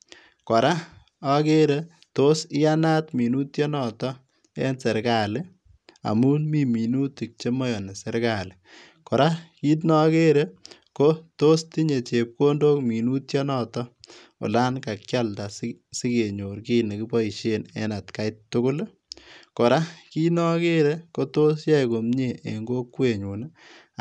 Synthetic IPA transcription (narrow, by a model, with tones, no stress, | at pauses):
kɔ˨ɾa˦ | a˦ke˦ɾe | to˦sɪ˦ja˦na˦tmi˨nu˦tjɔ˦nɔ˨tɔ˦ | ɛ̰˦nse˨ɾka˨lɪ˦ | a̰˨mu˦nmiː˦mi˨nu˦ti˨k̚t͡ʃe˦mɔ˦jɔ˨n˨se˦ɾka˨lɪ˨ | kɔ˨ɾa˦ki˦t̬nɔ˦ke˦ɾe˦ | ko˦to˦sti˦ɲe˨t͡ʃe˨p̚ko˦ndo˦kmi˨nu˦tjɔ˦nɔ˦tɔ˦ | ʊ̰˨la˦nka˨k̚t͡ʃa˦lda˨ssi˦ke˨ɲo˨ɾki˦ne˨ki˦pɔ˦i˨ʃe˦nḛ˦na˨tka˨˦ɪ˦ttːʊ˦kʊ˦l | kɔ˨ɾa˦ki˦nɔ˦ke˦ɾe˦ko˦to˦sja˦jko˨mɲe˨ḛ˨ŋɡo˦kːwe˨ɲu˨n